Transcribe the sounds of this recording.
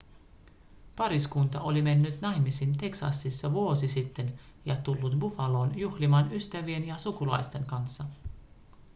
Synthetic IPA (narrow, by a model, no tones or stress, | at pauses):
pɑɾiskunt̪ɑʔo̞lime̞nːyt̪nɑjmisint̪e̞ksɑ̰sːisːɑʋuo̞sisit̪ːe̞n | jɑt̪ulːut̪bufɑlo̞ːnjuxlimɑːnyst̪æʋie̞njɑsukulɑ̰jst̪e̞ŋkɑnsːɑ